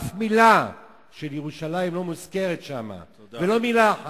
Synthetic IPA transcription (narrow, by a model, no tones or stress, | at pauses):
fmila | ʃeljeʁuʃalajimlo̞muzke̞ʁetʃama̰ | velo̞milaa